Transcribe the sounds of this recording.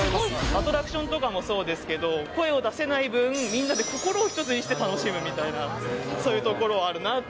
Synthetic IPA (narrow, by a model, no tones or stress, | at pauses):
at̪o̞ɾakɯ̟ɕõ̞nt̪o̞kamo̞so̞ːd̪e̞sɨ̥ke̞d̪o̞ko̞e̞o̞d̪ase̞naibɯ̟̃ɴmʲĩnːad̪e̞ko̞ko̞ɾo̞ːçʲi̥t̪o̞t͡sɨɲ̟iɕi̥t̪e̞t̪ano̞ɕimɯ̟mʲit̪ainaso̞ːjɯ̟t̪o̞ko̞ɾo̞aɾɯ̟na